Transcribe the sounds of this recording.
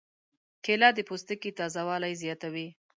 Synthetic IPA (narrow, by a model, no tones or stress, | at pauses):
kʰelɑd̪əpost̪əkit̪ɑzawɑlajzjɑt̪awi